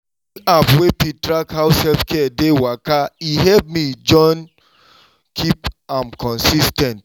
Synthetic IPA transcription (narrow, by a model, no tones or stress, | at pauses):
apwepitɾakhaʊshɛlfkɛdewakaiɦɛlp̚mid͡ʒɔ̃n | kʰipãmkɔ̃nsistɛ̃nt